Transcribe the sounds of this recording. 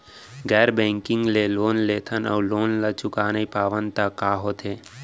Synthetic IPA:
ɡɛːɾbɛ̃ːŋkɪ̃ŋɡleloːnleːt̪ʰənə̰ːloːnlat͡ʃʊkaːnəipaːʋənt̪akːaːɦot̪ʰeː

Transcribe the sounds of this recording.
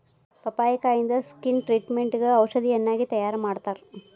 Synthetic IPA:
pɐpaːjɐkaːjind̪ɐskinʈɾiːʈmeɳʈiɡeɐwʃɐd̪ijɐnːaːɡit̪ɐjaːɾɐmaːɽt̪aːɾ

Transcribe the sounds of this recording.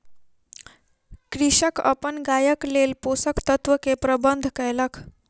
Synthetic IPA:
kɾiɕəkə̰pəɳɡajəklelposəkt̪ət̪ʋəkepɾəbənd̪ʱkəjləkʰ

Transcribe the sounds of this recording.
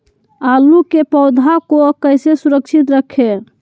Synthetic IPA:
alukepəʊd̪ʱakokəjsesuɾəkt͡ʃʰit̪ɾəkʰe

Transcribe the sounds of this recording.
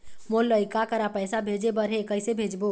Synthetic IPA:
molːəjkakəɾapəjsabʱed͡ʒebəɾɦekəjsebʱed͡ʒbo

